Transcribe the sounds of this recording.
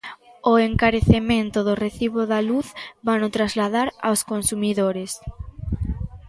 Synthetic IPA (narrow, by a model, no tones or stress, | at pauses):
ʊeŋkaɾeθemẽnt̪ʊðʊreθiβoðaluθbanʊt̪ɾazlaðaɾa̰wskonsumiðoɾes